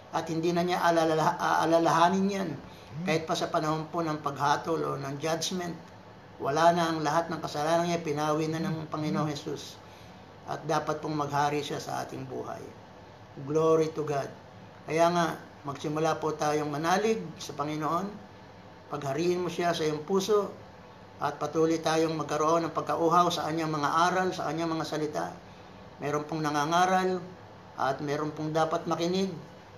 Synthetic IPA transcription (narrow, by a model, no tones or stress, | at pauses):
ʔɐt̪̚hɪnd̪iːnɐɲaʔɐlalʔʔɐ̰lalɐɦaːnɪnjan | kaːhɪt̪̚pɐsɐpɐnɐho̞npo̞nɐŋpɐɡhaːt̪olʔonɐŋd͡ʒad͡ʒmɛnt̪̚ | wɐ̰lanɐʔɐŋlɐɦat̪̚nɐŋkɐsɐlaːnɐnɲapɪnaːwinɐnɐŋpɐŋɪnoʔoŋhɛsus | ʔɐ̰t̪̚d̪aːpɐt̪̚poŋmɐɡ̚haːɾiʃasɐ̰ʔa̰ːt̪ɪŋbṵːhɐ̰j | ɡloɾit̪ʊɡad̪̚ | kɐjaːŋa | mɐɡsɪmʊlapot̪aːjoŋmɐnaːlɪɡ̚sɐpɐŋɪnoʔo̞n | pɐɡ̚hɐɾiːʔɪnmosasɐjoŋpuːso̞ʔ | ʔɐt̪̚pɐt̪uːlʊjt̪aːjo̞ŋmɐɡ̚kɐɾoʔo̞nɐŋpɐɡ̚kɐʔuːɦɐwsɐkɐɲːaŋmɐŋaʔaːɾɐlsɐ̰kɐɲːaŋmɐŋasɐlɪt̪a̰ʔ | mʔɛːɾonpoŋnɐŋaŋaːɾɐl | ʔɐ̰t̪̚mɛːɾonpoŋd̪aːpɐt̪̚mɐkɪnɪɡ̚